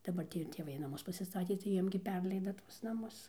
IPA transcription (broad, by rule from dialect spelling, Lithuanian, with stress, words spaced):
dɐˈbɐr ˈtʲiː ɪr tʲeːˈʋɐɪ nɐˈmʊs pɐsʲɪˈstɑːtʲeː tɐɪ ˈjiɛm ɡʲɪ ˈpʲɛrʲlʲɛɪdɐ ˈtuɔs nɐˈmʊs